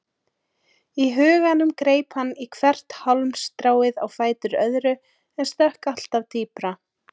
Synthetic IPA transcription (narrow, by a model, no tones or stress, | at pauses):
iɦʏːɣanʏmkɾeːjphanːikʰvɛr̥t̪hɔlmst̪ɾaːwɪða̰wfaːjt̪ʏɾœðɾʏ | ɛnst̪ɛhkal̥t̪avt̪ʰiːpɾa